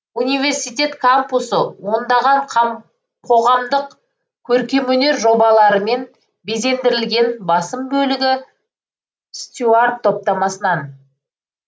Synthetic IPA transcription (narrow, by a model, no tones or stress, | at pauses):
unijvʲe̞rsijt̪ʲe̞t̪kʰampusəwo̞nd̪ɑʁɑɴqʰɑ | qʰo̞ʁɑmd̪əq | kʲʰɵɾkʲe̞mɵne̞ɾʒo̞bɑlˠɑɾəme̞n | be̞ze̞nd̪ɪɾɪlɡʲe̞nbɑsəmbɵlɪɡʲɪ | st̪ʲard̪ʰo̞p̚t̪ɑmɑsənɑn